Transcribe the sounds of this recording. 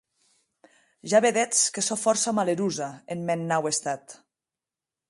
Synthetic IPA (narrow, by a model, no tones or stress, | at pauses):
ʒaβeðɛt͡skesofɔɾsamaleɾuzaenmenːawest̪at̪